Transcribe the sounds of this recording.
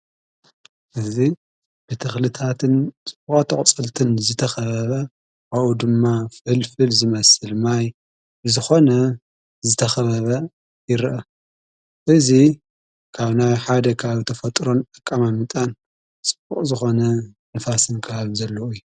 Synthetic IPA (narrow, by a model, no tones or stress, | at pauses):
ʔɨzi | b̥ɨt̪ʰɨxlɨt̪ʰat̪ʰɨnt͡sʼɨb̥uχʼat̪ʰɐχʼt͡sʼɨlt̪ʰɨnzɨt̪ʰɐxɐβɐβɐ | aʔud̪ɨmːafɨlfɨlzɨmɐsɨlmaj | ɨzɨxo̞nɐ | zɨt̪ʰɐxɐβɐβɐ | jɪɾʔɐ | ʔɨzi | kʰaβnajħad̪ɐkʰɐβaβt̪ʰɐfɐt̪ʼɾo̞nʼɐkʼːamamɨt̪ʼan | t͡sʼɨb̥uχʼzɨxo̞nɐ | nɐfasɨnkʰɐβaβzɐlːoɨjːu